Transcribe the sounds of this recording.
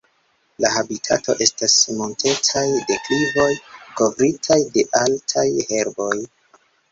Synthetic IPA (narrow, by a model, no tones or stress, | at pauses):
lahabitʰa̰to̞̰ʔe̞stasmo̞ntʰe̞tajde̞klivo̞jko̞vɾitʰajde̞ʔaltʰajhe̞ɾbo̞j